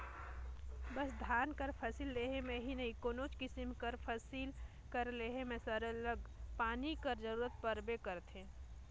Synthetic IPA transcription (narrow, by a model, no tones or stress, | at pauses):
bəsd̪ʱaːnkəɾpʰəsiːlːeɦemẽɦinəɦĩkoːnot͡ʃkɪsimkəɾpʰəsil | kəɾleɦemẽsəɾələɡpaːnikəɾd͡ʒəɾuːɾət̪̚pəɾbekəɾt̪ʰẽ